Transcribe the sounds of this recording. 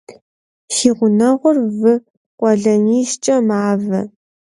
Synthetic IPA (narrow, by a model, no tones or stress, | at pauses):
xiːʁʷʊnɐʁʷʊrvɨ | qʷʼɔɮɐniːst͡ʃʼɐmaːvɐ̰